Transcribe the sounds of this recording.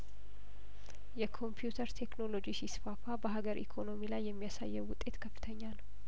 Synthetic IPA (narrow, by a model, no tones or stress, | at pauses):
jɛkʰo̞mpʰjut̪ʰəɾt̪ʰekno̞lo̞d͡ʒisisfafabəɦaɡəɾʔḭkʰo̞no̞milajːɛmːijasa̰jːɛwʊt̪ʼːe̞t̪kʰəfːɨ̥t̪ʰəɲːanəw